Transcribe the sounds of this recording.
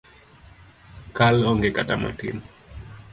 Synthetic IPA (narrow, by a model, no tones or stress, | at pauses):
kalɔŋɡekatama̰tḭn